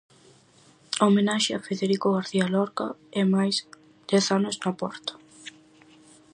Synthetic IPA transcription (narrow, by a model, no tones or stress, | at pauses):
omenaʃɪafeðeɾikʊɣaɾθialɔɾkaɛmajs | d̪̥ɛθanʊznapɔɾt̪ḁ